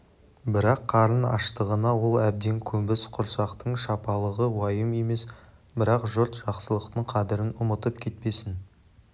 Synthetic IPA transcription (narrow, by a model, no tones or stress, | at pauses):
bɪɾɑqʰːɑɾənɑ̰ʃt̪əʁənɑwo̞lˠæb̚d̪e̞ŋkʲʰɵmbɪsqʰʊɾsɑqt̪əɴʃɑpɑlˠəʁəwɑjəme̞me̞s | bɪɾɑqʒʊɾt̪ʒɑqsəlˠəqt̪əɴqʰɑd̪ɪɾɪnʊmət̪əpkʲʰe̞t̪̚pe̞sɪn